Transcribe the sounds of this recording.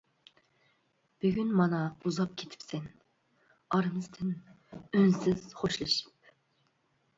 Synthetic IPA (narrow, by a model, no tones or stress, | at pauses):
b̥yɡʲynmɑnɑuzɑp̚kʲʰet̪ʰɪ̥psɛn | ɑɾɨmɨz̥t̪ʰɪn | ønsɪz̥χoʃlˠɨʃi̥p̚